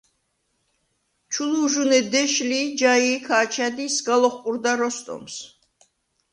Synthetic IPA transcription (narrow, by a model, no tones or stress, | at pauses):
t͡ʃʰuluʒunɛd̪ɛʃlid͡ʒaikʰaːt͡ʃʰad̪isɡalˠɔχqʼuɾd̪aɾɔst̪ʼɔ̰ms